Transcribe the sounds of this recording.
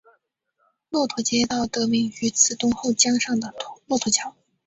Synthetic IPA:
lwɔ˥˩t̪ʰwɔ˧˥˩t͡ɕjɛ˥t̪ɑ˥˩ʊt̪ɤ˧˥mi˥˩ŋy˧˥t͡sʰɹ̩˧˥t̪ʊ˥ŋxo˥˩ʊt͡ɕjɑ˥ŋʂɑ˥˩ŋd̪ə˩˧˥lwɔ˥˩t̪ʰɔ˧˥t͡ɕʰjɑ˧˥ʊ

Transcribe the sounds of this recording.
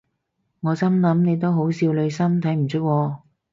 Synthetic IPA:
ŋɔː˨˧t͡sɐ˥mlɐ˨˧˥mne˨˧jt̪̬o˥wɦo˨˥wsiː˧wlɵ˨˧ɥsɐ˥mt̪ʰɐ˨˥jm̩˨˩t͡sʰɵ˥k̚wɔː˧

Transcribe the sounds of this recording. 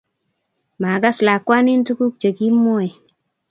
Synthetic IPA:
ma˨ka˦sla˨kːwa˦ni˦ntu˦ku˦k̚t͡ʃe˨ki˦mːo˦e˨

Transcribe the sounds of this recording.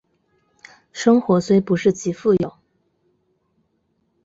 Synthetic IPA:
ʂɤ˥ŋxwɔ˧˥swe˥ɪpu˧˥ʂɻ̩˥˩t͡ɕi˧˥fu˥˩jo˨˩˦ʊ

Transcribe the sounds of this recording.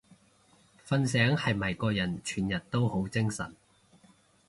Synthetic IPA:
fɐ˧nsɛː˨˥ŋhɐ˨jmɐ˨˩jkɔː˧jɐ˨˩nt͡ʃʰyː˨˩njɐ˨t̚t̪o˥who˨˥wt͡sɪ˥ŋsɐ̰˨˩n

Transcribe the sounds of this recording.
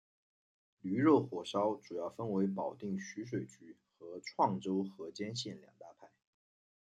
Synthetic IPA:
ly˧˥ɻo˥˩ʊxwɔ˨˩ʂɑ˥ʊʈ͡ʂu˨˩jɑ˥˩ʊfə˥nwe˧˥ɪpɑ˨˩ʊt̪i˥˩ŋɕy˧˥ʂ̬we˨˩ɪt͡ɕy˧˥ | xɤ˧˥ʈ͡ʂʰwɑ˥˩ŋʈ͡ʂo˥ʊxɤ˧˥t͡ɕjɛ˥nɕjɛ˥˩nljɑ̰˨˩ŋt̪a˥˧pʰa˥˩ɪ

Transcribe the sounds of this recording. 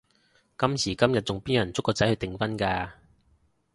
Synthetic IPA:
kɐ˥msiː˨˩kɐ˥mjɐ˨t̚t͡sʊ˨ŋpiː˥njɐ˨˩nt͡sʊ˥kːɔː˧t͡sɐ˨˥jhɵ˧ɥt̪ɪ˨ŋfɐ˥nkaː˧

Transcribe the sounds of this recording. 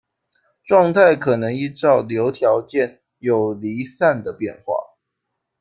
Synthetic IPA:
ʈ͡ʂwɑ˥˧ŋt̪ʰa˥˩ɪkʰɤ˨˩nɤ˧˦ŋi˥˧ʈ͡ʂɑ˥˨ʊljo˨˦ʊt̪ʰjɑ˧˦ʊt͡ɕjɛ˥˨˩n | jo˨˩ʊli˨˦sa˥˩nd̪ə˩pjɛ̰˥˧nxwa̰˥˩

